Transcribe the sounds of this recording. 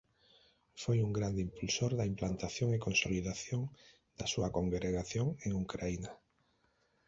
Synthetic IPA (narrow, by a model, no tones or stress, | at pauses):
fojuŋɡɾand̪eimpulsoɾðaimplant̪aθjoŋekonsoliðaθjoŋ | d̪̥asuakoŋɡɾeɣaθjoŋeŋukɾaina